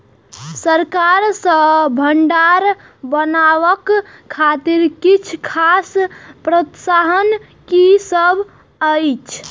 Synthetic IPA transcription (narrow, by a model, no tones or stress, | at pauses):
səɾkaɾsə̃bʱəɳɖaɾ | bənaʋəkʰːat̪iɾkit͡ʃʰkʰaspɾət̪saɦən | kisəbʱ | əjt͡ʃʰ